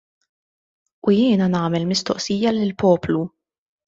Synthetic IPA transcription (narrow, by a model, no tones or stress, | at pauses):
ujɪːnɐnɐːmɛlmɪst̪ɔ̰ʔsiːjɐlɪlpɔːplu